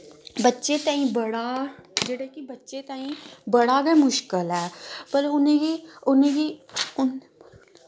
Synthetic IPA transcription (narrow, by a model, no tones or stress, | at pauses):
bətːʃet̪ãːĩbɐɽad͡ʒəɽekibɐtːʃet̪ãːĩbəɽaɡɛmʊʃkəlɛːbəlʊnẽiʊneɡiʊn